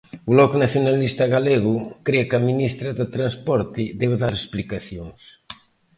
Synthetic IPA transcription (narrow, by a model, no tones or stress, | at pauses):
ʊlɔkunaθjonalist̪ɐɣaleɣʊkɾiakɐminist̪ɾɐðɪt̪ɾanspɔɾt̪ɪd̪ɛβðaɾesplikaθjoŋs